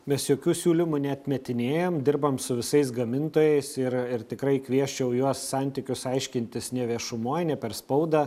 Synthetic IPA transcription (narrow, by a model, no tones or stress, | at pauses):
mʲɛsjoːkʲuːsʲuːlʲɪmʊnʲɛt̪ʲmʲɛt̪ʲɪnʲeːjoːmd̪ʲɪɾbɐmsʊʋʲɪsɐɪsɡɐmʲɪnt̪oːjɛɪsɪɾɪɾt̪ʲɪkɾɐɪkʋʲiɛʃʲt͡ʃʲɛʊjuɔsːɑnʲt̪ʲɪkʲʊsɐɪʃʲkʲɪnʲt̪ʲɪsnʲɛʋʲiɛʃʊmoːjnʲɛpʲɛɾspɐʊd̪ɐ